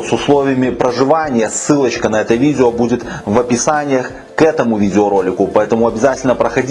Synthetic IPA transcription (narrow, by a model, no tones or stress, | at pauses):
sʊslˠovʲɪjəmʲɪpɾəʐɨvanʲɪjəsːɨlˠət͡ɕkənɐɛt̪əvʲid͡zʲɪobudʲɪt̪ | vɐpʲɪsanʲɪjəx | kɛt̪əmʊvʲidʲɪoɾo̞lʲɪkʊpɐɛt̪əmʊɐbʲɪzatʲɪlʲnəpɾəxɐdʲ